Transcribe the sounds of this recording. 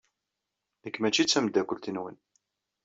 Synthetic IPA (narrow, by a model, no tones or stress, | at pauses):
əkːmæt͡ʃːit͡sːæmd̪ːækʷəlt̪inwə̰n